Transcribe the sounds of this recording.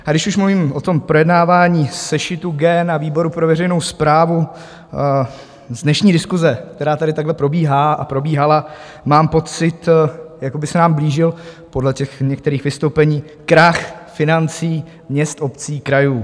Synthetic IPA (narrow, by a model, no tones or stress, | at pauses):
ʔaɡdɪʃuʃmluviːmʔo̞t̪o̞mpɾo̞jɛdnaːvaːɲiːsɛʃɪt̪uɡɛnaviːbo̞ɾupɾovɛrɛjnowspɾaːvu | zdnɛʃɲiːdɪskuzɛk̚t̪ɛɾaːt̪adɪt̪aɡlɛpɾo̞biːɦaːʔa̰pɾo̞biːɦala | maːmpo̞t͡sɪt̪jakobɪsɛnaːmbliːʒɪl | po̞dlɛcɛxɲɛkt̪ɛɾiːxvɪst̪owpɛɲiː | kɾaxfɪnant͡siː | mɲɛst̪ʔo̞pt͡siːkɾajuː